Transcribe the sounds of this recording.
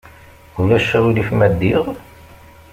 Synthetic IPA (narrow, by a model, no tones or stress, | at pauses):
ulæʃːæwilifmæd̪ːiʁ